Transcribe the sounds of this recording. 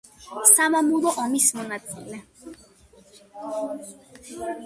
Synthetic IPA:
samamulˠɔʔɔmismɔnat̪silɛ

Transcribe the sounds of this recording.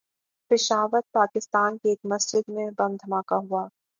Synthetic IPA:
pɪʃaːʋəɾ̚paːkɪst̪aːnkeeːkmɐsd͡ʒɪd̪mẽbɐ̃md̪ʱɐmaːkaɦuaː

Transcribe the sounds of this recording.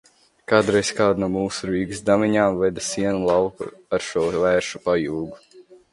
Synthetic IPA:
kaːd̪ɾɛjskaːd̪numuːsuɾiːɡsd̪amiɲaːmvɛd̪asiɛnulˠɑwkṵaɾʃuɔvæːɾʃupajuːɡu

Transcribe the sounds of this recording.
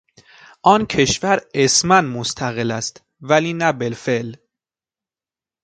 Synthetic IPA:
ʔɒːncʰe̞ʃvæɾesmænmost̪ʰæɣelæst̪ | væliːnæbelfeʔl

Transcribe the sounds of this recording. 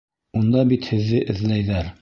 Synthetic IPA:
und̪ɑbit̪hɘ̆ðːɘʔɘ̆ðlæjðæɾ

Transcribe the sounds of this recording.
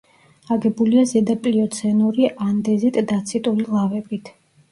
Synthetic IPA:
aɡɛbuliazɛd̪apʼliɔt̪sʰɛnuɾiʔand̪ɛzit̪ʼd̪at̪sʰit̪ʼulilˠavɛbit̪ʰ

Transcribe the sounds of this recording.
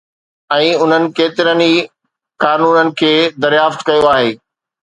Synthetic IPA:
ɛ̃ːʊn̤ənɪ̆keːt̪ɪɾəni | kaːnuːnənɪ̆kʰeːd̪ɐɾjaːft̪kɐjoaːɦeː

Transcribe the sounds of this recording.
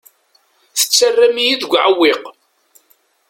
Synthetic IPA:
θə̥t͡sːərːæmijiðɡʷʕawːɪq

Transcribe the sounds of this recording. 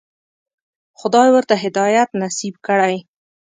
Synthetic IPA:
xʊd̪ɑjwəɾt̪aɦɪd̪ɑjat̪nasibkəɽaj

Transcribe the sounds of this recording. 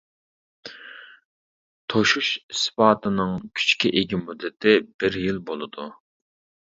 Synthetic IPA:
t̪ʰoʃuʃspɑːt̪ʰɨnɨŋkʲʰy̥t͡ʃkʲiʔeɡʲimud̪ːɪt̪ʰɪb̥ɪɾjilˠbolˠɨd̪u

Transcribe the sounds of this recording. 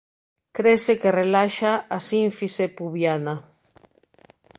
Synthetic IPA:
kɾesekerelaʃaasiɱfisepuβjana

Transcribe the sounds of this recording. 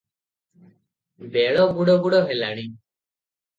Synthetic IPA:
beɭɔbuɽɔbuɽɔɦelaɽ̃i

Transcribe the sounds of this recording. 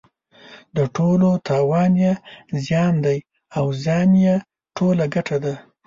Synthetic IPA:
d̪əʈʰolot̪ʰɑwɑnjezjɑnd̪aj | awzjɑnja | ʈʰolaɡaʈʰad̪a

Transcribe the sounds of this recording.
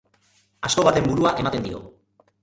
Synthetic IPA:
asko̞βat̪e̞mbuɾuaʔe̞mat̪e̞nd̪io̞̰

